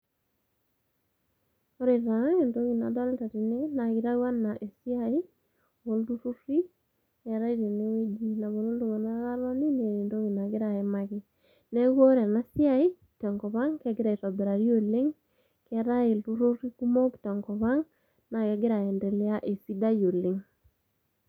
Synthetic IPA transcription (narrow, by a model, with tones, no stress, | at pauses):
o˦ɾe˨ɾa˨˦e˨ndo˦ɣi˨na̰˨dɔ˦lta˨ti˨ne˦na˨ɣɪ˨ɾa˦wa˦na˨ʔe˨si˦a˨i˦ | o˨ltu˦ɾu˦ɾi˦ | ɛ˨ɾa˦i˦˨ɾe˨ne˦we˦d͡ʒi˦na˨βo˨lo˦ldu˨ŋa˨na˦ɣa˦lɔ˦ni˦ne˨e˨ndo˦ŋi˨na˨ɣɪ˦ɾa˨ɛ˨ma˦ɣɪ˦ | nɛ˦ɡo˦ɾɛ˨na˦si˦a˨ɪ˦˨tɛ˨ŋkɔ˨βa˦ŋkɛ˦ɡɪ˦ɾa˨i˨tɔ˨be˨ɾa˨ɾi˦o˦˨lɪ˦ŋ | kɛ˨ɾa˦e˨ltu˦ɾu˦ri˦ku˦mo˦ktɛ˨ŋkɔ˨βa˦ŋ | na˨kɛ˦ɡɪ˦ɾa˨ɛ˨nde˨lɪ˦a˦ʔe˨si˦da˦jo˨lɪ˨ŋ